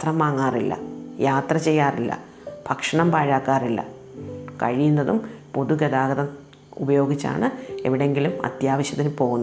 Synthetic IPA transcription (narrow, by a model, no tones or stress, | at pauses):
t̪rɐmʋaːŋːaːrilːɐ̰jaːt̪rɐt͡ɕe̞jːaːrilːɐ̰ | b̥ʱɐkʂɐɳɐmbaːɻaːkːaːrilːɐ̰ | kɐ̰ɻijunːɐðumpo̞ðuɡɐd̪aːɡɐðɐm | ubɐjo̞ːɡit͡ɕːa̰ːɳɨe̞̰ʋiɽe̞ŋɡilumɐ̰t̪jaːʋɐɕjɐt̪ːilpo̞ːɣunː